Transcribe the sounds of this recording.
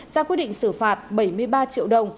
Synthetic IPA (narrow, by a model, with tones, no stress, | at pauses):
zaː˧kwi˦˥t̚ɗḭ˧˨ŋsɨ˧˩faː˨˩t̚ɓə˧˩jmɨ˧əjɓaː˧t͡ɕḭ˧˨wɗə˨˩wŋ͡m